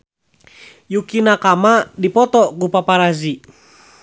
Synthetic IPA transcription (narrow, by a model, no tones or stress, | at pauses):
jukinakamadipɔt̪ɔɡupapaɾazi